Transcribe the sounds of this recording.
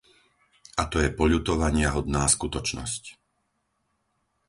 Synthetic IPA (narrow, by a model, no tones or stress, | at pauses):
at̪ɔjɛpɔʎut̪ɔʋaɲɪaɦɔd̪naːskut̪ɔt͡ʃnɔ̰sc